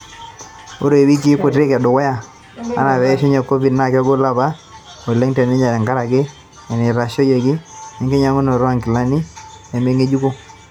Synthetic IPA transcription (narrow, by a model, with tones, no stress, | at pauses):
o˦ɾo˨wi˦k̬i˦kʊ˨tɾɪ˦kɛ˨dʊ˨wɛ˦ja˦˨ | a̰˦na˨βɛ˨˦ʃe˦ɲɔ˨ko˦bi˨dna˦˨kɔ˦ɡo˦la˦ba˦o˨le˦ŋtɛ˨nɪ˦ɲa˨ɾɛ˨ŋɡa˦ɾa˨kɪ˦ | ɛ˨nɪ˨ɾa˨ʃo˦je˨kɪ˦e˨ŋɡe˦ɲa˨ŋʊ˦no˨ɾa˦ŋkɪ˨la˦ni˦ | ɛ˨me˦ŋe˦d͡ʒu˦ko˦